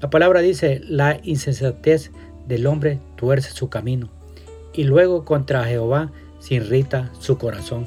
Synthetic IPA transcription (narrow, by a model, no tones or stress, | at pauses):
lapalaβɾaðiselainsensat̪es | d̪e̞lo̞mbɾet̪weɾse̥sukamĩno | ilwe̞ɣ̞o̞kont̪ɾaxeoβa | seinrit̪asuko̞ɾaso̞ŋ